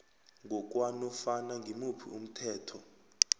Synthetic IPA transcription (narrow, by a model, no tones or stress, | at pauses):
ŋɡʱɔk̬ʼwanɔfanaŋɡʱimupʰḭum̩tʰɛːtʰɔ